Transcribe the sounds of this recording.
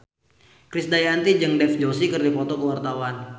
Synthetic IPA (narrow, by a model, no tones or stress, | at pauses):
kɾɪsdajant̪id͡ʒɨŋdɛfd͡ʒosikɨrdipɔt̪ɔkəwart̪awan